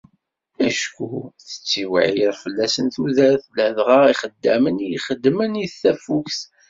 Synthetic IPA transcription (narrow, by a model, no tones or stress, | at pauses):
æʃkuθə̥t͡sːiwə̰ʕjəðfəlːæsənθuðæɾθləðʁəʁiχəd̪ːæmənjχəd̪ːməniθθæfuks